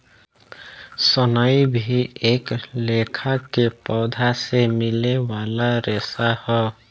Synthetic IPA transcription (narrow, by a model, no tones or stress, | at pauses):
sʌnʌjbʱieklekʰakepɔd̪ʱasemilewalaɾesahʌ